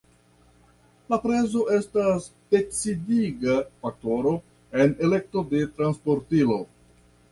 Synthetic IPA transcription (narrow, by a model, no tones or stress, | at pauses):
lapɾe̞zo̞ʔe̞stas | teksidiɡafak̚to̞ɾo̞ | e̞ne̞le̞k̚to̞de̞tɾanspo̞ɾtilo̞